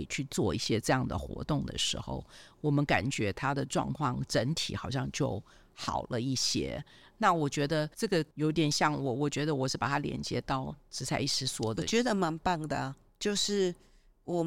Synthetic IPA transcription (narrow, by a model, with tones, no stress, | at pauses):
i˨˩t͡ɕʰy˥˧t͡swɔ˥˧i˥˩ɕjɛ˥ʈ͡ʂɤ˥˧jɑ˥˩ŋd̪ə̰˩xwɔ̰˧˥t̪ʊ˥˩ŋd̪ə̰˨˩ʂɻ̩̰˧˥xo̰˧ʊwɔ˨˩mə˦nka̰˨˩nt͡ɕɥɛ˧˥t̪ʰa˥d̪ə˨ʈ͡ʂwɑ̰˥˧ŋkʰwɑ̰˥˩ŋʈ͡ʂə˧˥nt̪ʰḭ˨˥xɑ˨˩ʊɕjɑ˥˧ŋt͡ɕjo˥˩ʊ | xɑ̰˨˩ʊlə˦i˥˩ɕjɛ̰˥ | na˥˩˨wɔ˨˩t͡ɕɥɛ˧˥d̪ə˧ʈ͡ʂɤ˥˩ɡə˩jo˧˥ʊ˧t̪jɛ˨˩nɕjɑ˥˩ŋwɔ˨˩wɔ˨˩t͡ɕɥɛ˧˥d̪ə˧wɔ˨˩ʂɻ̩˥˩pa˨˩t̪ʰa˥ljɛ̰˧˥nt͡ɕjɛ̰˧˦t̪ɑ˥˩ʊʈ͡ʂɻ̩˧˥t͡sʰa˧˩ɪi˥˩ʈ͡ʂʰɻ̩˧˥swɔ˥d̪ə˨˩t͡ɕɥɛ˧˥d̪ə˧ma˧˦˥npa˥˩ŋd̪ə˩ | t͡ɕjo˥˧ʊʂɻ̩˥˩ | wɔ˨˩